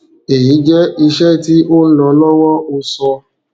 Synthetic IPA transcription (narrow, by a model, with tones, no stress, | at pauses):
e˨ji˨˦d͡ʒɛ˦i˧ʃɛ˦˨ti˦ʔo˦ñ̩˦lɔ˧lɔ˦wɔ˦ʔo˧sɔ˧